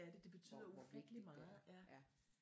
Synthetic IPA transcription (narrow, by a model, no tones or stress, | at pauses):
æd̥e̝d̥e̝b̥e̝t͡sʰy̰ð̰ˠɐufeɡ̥əlimɑ̈jæ